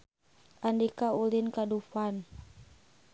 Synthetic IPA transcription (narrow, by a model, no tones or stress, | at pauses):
andikaulinkadufan